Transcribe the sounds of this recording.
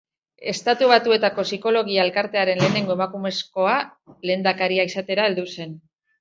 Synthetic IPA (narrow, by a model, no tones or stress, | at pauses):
e̞st̪at̪uβ̞at̪ue̞t̪ako̞siko̞lo̞ɣ̞iaelkaɾt̪e̞aɾe̞nle̞ːne̞ŋɡoe̞makume̞sko̞ale̞ːnd̪akaɾiaisat̪e̞ɾae̞ld̪use̞n